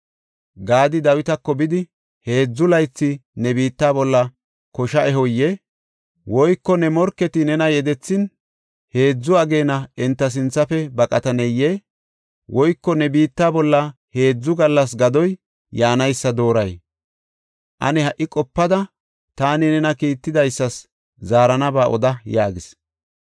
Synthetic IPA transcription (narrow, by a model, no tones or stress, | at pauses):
ɡaːd̪ɪd̪ɐwɪt̪ɐkːɔbɪd̪ɪ | he̞ːd͡zːʊlɐjt͡sːɪnɛbiːt̪ːaːbɔlːɐ | kɔʃɐʔɛɦɔjːɛ | wɔjkːɔnɛmɔɾkːɛt̪ɪnɛnɐjɛd̪ɛt͡sːɪn | he̞ːd͡zːʊɐɡe̞ːnɐɛnt̪ːɐs̬ɪnt͡sːɐfɛbɐkʼɐt̪ɐnɛjːɛ | wʔɔjkːɔnɛbiːt̪ːaːbɔlːɐ | he̞ːd͡zːʊɡɐlːɐs̬ɡɐd̪ɔj | jaːnɐjsːɐd̪o̞ːɾɐj | ʔɐ̰nɛhɐʔːɪkʼɔpːɐd̪ɐ | t̪aːnɪnɛnɐkiːt̪ːɪd̪ɐjsːɐs | zaːɾɐnɐbaːʔɔ̰d̪ɐjaːɡɪs